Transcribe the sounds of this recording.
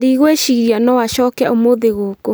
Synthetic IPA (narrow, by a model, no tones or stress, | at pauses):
ðiɣweʃiɣɾianɔwaʃɔːkɛa̰omoðeɣoːko